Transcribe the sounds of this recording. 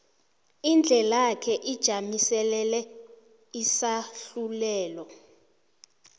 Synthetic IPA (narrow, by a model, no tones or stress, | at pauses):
ind͡ɮʱɛlakʰɛʔid̥ʒ̥ʱamisɛlɛlɛ | isaɬulɛːlɔ